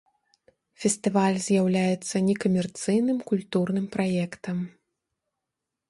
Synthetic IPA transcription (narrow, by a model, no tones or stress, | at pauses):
fʲɛst̪ɨvalʲzʲjawlʲajɛt̪sːɐnʲɛkɐmʲɛrt̪sɨjnɨmkulʲt̪urnɨmpɾajɛkt̪ɐm